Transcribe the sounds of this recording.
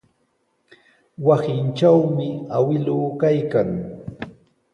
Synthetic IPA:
wasɪnt͡ʃawmɪawɪlʊːkajkaŋ

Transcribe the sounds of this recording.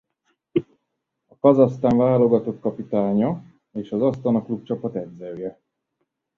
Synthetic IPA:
ɒkɒzɒst̪aːɱvaːlo̞ɡɒt̪okkːɒpit̪aːɲɒ | eːʃɒzɒst̪ɒnɒklup̚t͡ʃɒpɒt̪ɛɟzɛjɛ

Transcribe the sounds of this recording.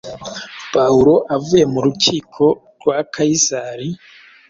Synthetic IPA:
pauɾo̞ʔavuje̞muɾuciːkʰo̞ | ɾɡwakʰaizaɾi

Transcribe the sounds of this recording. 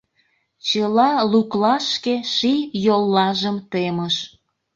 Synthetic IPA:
t͡ɕəlɑluklɑʃkeʃijolːɑʒəmt̪eməʃ

